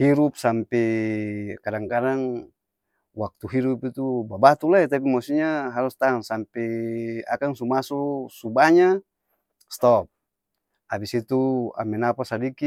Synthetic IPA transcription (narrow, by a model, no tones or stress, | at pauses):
hiɾup̚sampɛ | kadaŋkadaŋ | wak̚t̪uɦiɾupit̪ubabat̪ulaɛt̪ap̬imɔsiɲaɦaɾust̪aŋsampɛa̰kaŋsumasɔsubaɲa | st̪ɔp̚ | abisit̪ua̰mɛnapasadiki